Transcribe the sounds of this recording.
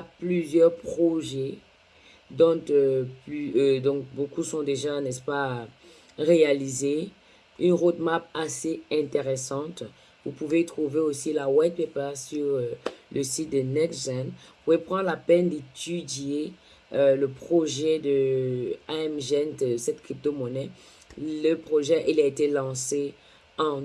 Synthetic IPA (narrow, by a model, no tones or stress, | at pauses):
aplyzjœʁpχɔʒɛ | d̪ɔ̃tøplyød̪ɔ̃k̚bokusɔ̃d̪eʒanɛspa | ʁealize | ynʁod̪mapaseɛ̃t̪eʁesɑ̃t̪ | vupuvet̪χuveosilawɛd̪̚pepasyʁøləsit̪̚d̪ənɛt̪zɛnvupuvepχɑ̃nlapɛnd̪et̪ʰyd̪je | øləpχɔʒɛd̪ə | aɛmʒɛnt̪sɛt̪kχip̚t̪omɔnɛ | ləpχoʒɛʔilaet̪elɑ̃se | ɑ̃